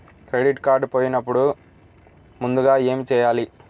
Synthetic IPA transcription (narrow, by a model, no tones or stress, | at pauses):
kɾeɖiʈkaːɾɖpoːjinɐpːuɽu | mund̪uɡaːe̞ːmit͡ʃɛːjaːli